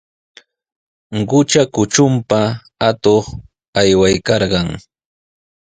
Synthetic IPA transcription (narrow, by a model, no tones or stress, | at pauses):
ɢʊt͡ʃakʊt͡ʃʊmpa | at̪oχ | ajwajkɑɾɢɑŋ